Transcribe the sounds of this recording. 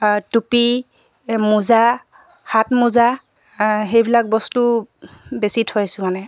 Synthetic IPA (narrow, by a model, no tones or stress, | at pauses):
tupi | muza | hatmuza | ɦejbilak̚bɔstu | besitʰojsʊ̃manɛ